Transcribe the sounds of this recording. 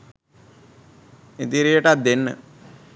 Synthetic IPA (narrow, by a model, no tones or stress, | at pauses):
et̪iɾijəʈat̪̚d̪enːə̰